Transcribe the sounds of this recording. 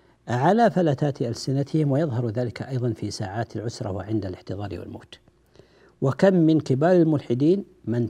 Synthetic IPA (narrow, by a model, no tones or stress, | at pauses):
ʕalafalat̪aːt̪ʔalsɪnat̪ʰɪhɪmwajɑðˤɦɑɾˤðaːlɪkʰaʔɑjðˤɑnfisaːʕaːt̪alʕʊsɾˤɑ̰waʕɪnd̪alɪħt̪ɨðˤɑːɾ̰ˤwa̰lmo̰ːt̪ | wakamːɪnkɪbaːɾalmʊlħɪd̪iːn | mɪn